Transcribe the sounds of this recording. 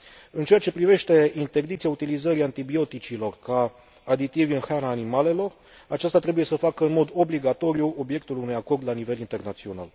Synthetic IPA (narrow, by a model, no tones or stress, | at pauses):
ɨnt͡ʃe̞at͡ʃe̞pɾive̞ʃt̪e̞int̪e̞rd̪it̪sijaut̪ilizəɾiant̪ibio̞t̪it͡ʃilo̞rkaː | d̪it̪iviɨnxanaːnimale̞lo̞r | at͡ʃast̪at̪ɾe̞buje̞səfakəɨnmo̞d̪o̞bliɡat̪o̞ɾijuo̞bje̞k̚t̪ulunujako̞rd̪lanive̞lint̪e̞rnat̪sio̞na̰l